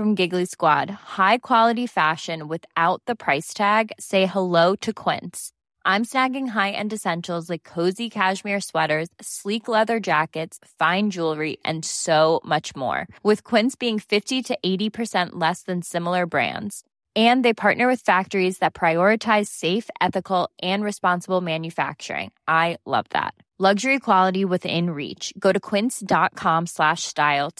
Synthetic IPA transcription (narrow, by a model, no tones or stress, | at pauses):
fɹʌ̃mɡɪɡliskwɑ̰d̥̚haɪkʰw̥ɑlˠəɾifæʃɨ̃nwɪðaʊt̪̚ðəpʰɹ̥aɪstʰæɡseɪhəloʊɾɨkʰw̥ɪ̰̃nts | ʔãɪ̃msnæɡɪ̃ŋɦaɪʔɨ̰̃nɨsɛ̃nʃl̩ˠzlaɪkʰːoʊzikʰæʒmɪɹswɛɾə˞z̥sliklɛðə˞d͡ʒækɨtsfãɪ̃nd͡ʒulˠɹiʔɨ̰̃nsoʊmʌt͡ʃmɔ̰ɹwɨð̥kʰw̥ɪ̃nsb̥iɪ̃ŋfɪftiɾɨʔeɪɾipʰə˞sɛ̃nʔlɛsðɨ̃nsɪ̃ml̩ˠə˞bɹæ̰̃ndz̥ | ɨ̃nðeɪpʰɑɹʔⁿnə˞wɨð̥fæk̚tə˞izðɨt̚pʰɹ̥aɪɔɹɨtʰaɪz̥seɪfɛθɨkl̩ˠʔɨ̃nɹɨspɑ̃nsəbl̩ˠmæ̃njɨfæ̰k̚t͡ʃə̰˞ɪ̰̃ŋʔaɪlʌ̰vðæ̰t̚ | lʌɡʒə˞ikʰw̥ɑlˠəɾiwɨðɪ̰̃nɹḭt͡ʃɡ̥oʊɾɨkʰw̥ɪ̃nsd̥ɑt̚kʰɑ̃mslæʃstaɪlˠ